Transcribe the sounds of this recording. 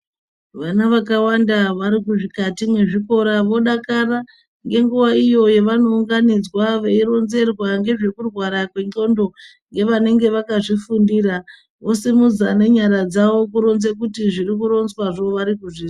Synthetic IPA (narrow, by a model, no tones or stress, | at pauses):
ʋanaʋakawandaʋaɾikuʐikatimwe̞ʐiko̞ɾaʋo̞ɗakara | ŋɡe̞ŋɡuʋaijo̞je̞ʋano̞uŋɡanid͡zwaʋeiɾo̞nze̞rwaŋɡe̞ʐe̞kurwaɾakwe̞ŋ͡ǃo̞ndo̞ | ŋɡe̞ʋane̞ŋɡe̞ʋakaʐifundiːra | ʔo̞simud͡zane̞ɲaɾad͡zaʋo̞kuɾo̞nzek̬utiʐiɾikuɾo̞nzwaʐo̞ʋaɾikuʐi